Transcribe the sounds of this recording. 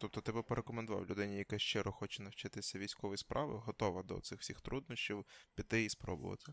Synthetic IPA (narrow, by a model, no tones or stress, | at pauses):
t̪ɔp̚t̪ɔt̪ɪpɐpeɾʔekɔmend̪ʊʋɑ̰wlʲʊd̪ɪnʲɪjɐkɛʃt͡ʃɛɾɔxɔt͡ʃɛnɐwt͡ʃɪt̪ɪsʲɐʋʲijsʲkɔʋɔjspʔɑʋɪ̰ɦɔt̪ɔʋɐd̪ɔ̰t̪sɪxwsʲixt̪ɾud̪̚nɔʃt͡ʃʲiwpʲit̪ɪispɾɔ̰bʊ̰ʋɐ̰t̪ɪ